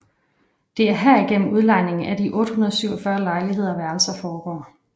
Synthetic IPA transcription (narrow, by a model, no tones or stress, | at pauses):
d̥e̝æɐɦæɐ̰iɡ̥en̰m̩uð̞ˠlɑ̈ɪne̝ŋn̩æd̥iʔɔ̽ːd̥hunɐð̞̩ˠsyʊɒfɶːɐlɑ̈ɪliɦe̝ð̞̰ˠɐʋæɐl̩sɐfɒːɡ̥ɒ̰ː